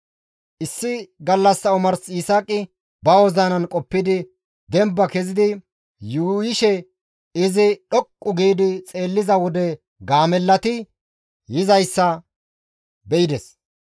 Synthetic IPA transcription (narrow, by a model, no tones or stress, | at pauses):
ʔɪsːɪɡɐlːɐsːɐʊmɐɾsiːsaːkʼɪ | bɐwɔzanɐnkʼɔpːɪd̪ɪ | d̪ɛmbːɐkɛzɪd̪ɪ | juːjɪʃɛ | ɪzɪɗɔkʼːʊɡiːd̪ɪt͡sʼe̞ːlːɪzɐwɔd̪ɛ | ɡaːmɛlːɐt̪ɪ | jɪzɐjsːɐ | bɛɪd̪ɛs